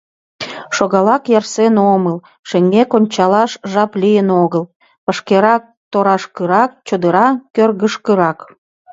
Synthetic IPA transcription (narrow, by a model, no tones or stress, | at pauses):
ʃoɣɑlɑkjɑrsenoməl | ʃeŋɡekonʲt͡ɕɑlɑʃʒɑplijənoɣəl | pəʃkeɾɑk̚t̪oɾɑʃkəɾɑk̚t͡ɕod̪əɾɑkːørɣəʃkəɾɑk